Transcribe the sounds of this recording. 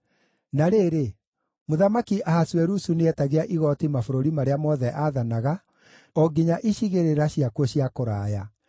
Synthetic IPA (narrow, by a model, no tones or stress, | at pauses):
naɾeːɾe | moðamakiʔahaswɛɾusuneɛtaɣeaʔiɣɔtimafoɾoɾimaɾeamɔðɛʔaːðanaɣa | ɔɡiɲaʔiɕiɣeɾeɾaɕiakwoɕiakoɾaːja